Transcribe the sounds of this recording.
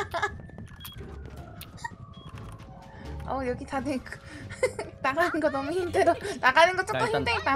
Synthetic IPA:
ʌjʌɡitadekɯ | naɡannɡʌnʌmuhidedonaɡanɯnɡʌt͡ɕ͈ok͈ʌhʰind͈eit͈a

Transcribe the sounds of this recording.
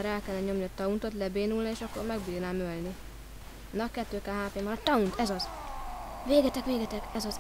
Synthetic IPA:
ɾɛlkɛlnɛɲo̞mniɒt̪ɒunt̪o̞t̪lɛbeːnulnieːʃɒkːoɾmɛɡbiːrnaːmølni | nːɒkɛt̪ːøːkaːɦaːpeːmɒnɒt̪ɒunt̪ɛzɒz | veːɡɛt̪ɛkʋeːɡɛt̪ɛkɛzɒz

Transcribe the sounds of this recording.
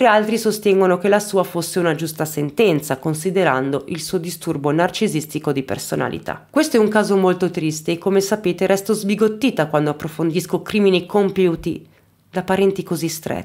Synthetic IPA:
t̪ɾialt̪ɾisost̪ɛŋɡonokelasuːafosːeunad͡ʒust̪asent̪ɛnt̪sakonsid̪eɾa̰nd̪oʔilsuːod̪ist̪urbonart͡ʃizist̪ikod̪ipḛrsona̰lḭt̪a̰kwest̪oɛuŋkaːzomolt̪ot̪ɾist̪eːkːomesapeːt̪eɾʔɛst̪ozbiɡot̪ːiːt̪akwand̪oapːɾofond̪iskokɾiːminikompjuːt̪ḭ | d̪apaɾɛnt̪ikozist̪ɾɛ̰

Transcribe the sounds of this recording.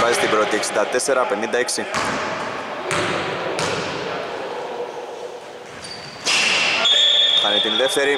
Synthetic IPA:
vɐzist̪ibɾo̞t̪ieksind̪ɐt̪e̞se̞ɾɐpe̞nind̪ɐeksi | xɐnet̪inðe̞ft̪e̞ɾi

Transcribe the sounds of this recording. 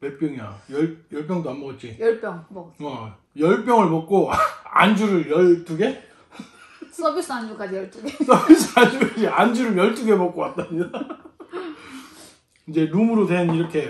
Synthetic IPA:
pe̞p͈jʌŋiajʌɭjʌɭp̬͈jʌŋdoanbʌʌt̚t͡ɕ͈ijʌɭp͈jʌŋʌ | jʌɭp͈jʌŋɯɭmʌk̚k͈oa̰nd͡ʑuɾɯɭjʌɭt͈uɡe̞ | s͈ʌbis͈ʰɯand͡ʑuk͈ad͡ʑijʌɭt͈uɡesʰʌbis͈ʰɯand͡ʑuk͈ad͡ʑiand͡ʑuɾɯɭjʌɭt͈uɡe̞mʌk͈ow͈at̚t͈aɲida | ind͡ʑe̞numɯɾodwe̞niɾʌkʰe̞

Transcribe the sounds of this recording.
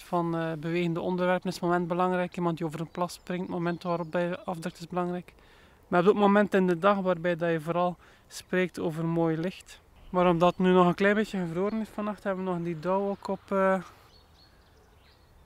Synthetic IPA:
fɑnəbəʋeːɣəndəʔɔndərʋɛrpənɪsmomɛnd̚bəlɑŋɾɛjkimɑntdioːvəɾənplɑsprɪŋtmomɛntʋaːɾɔp̚dɛjɑvdɾɵk̚tɪzbəlɑŋrɛjk | maɔb̚dɑtmomɛntɪndədɑxʋaːrbɛjdɑjəvoːɾɑlˠ | spreːk̚toːvərmoːjlɪxt | maːɾɔmdɑtnynɔɣənklɛjnbeːtjəɣəvloːɾənɪsfɑnɑxthɛbəʋənɔxəndidɔwokɔpəː

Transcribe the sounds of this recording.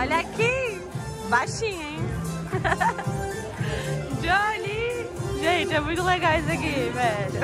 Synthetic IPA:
ɔʎaki | bajʃĩɲẽj̃ | d͡ʒoliʒẽt͡ʃɪɛmũj̃t̪ʊleɡawzɐkivɛl

